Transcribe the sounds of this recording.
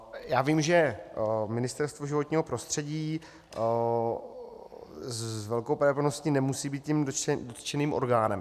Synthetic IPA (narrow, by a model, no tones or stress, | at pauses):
jaːviːmʒɛ | mɪnɪst̪ɛɾst̪voʒɪvot̪ɲiːɦo̞pɾo̞st̪r̝̥ɛɟiː | zvɛlkowpɾɛpnoscinɛmusiːbiːt̪cimdot̪t͡ʃɛniːmʔo̞̰ɾɡaːnɛm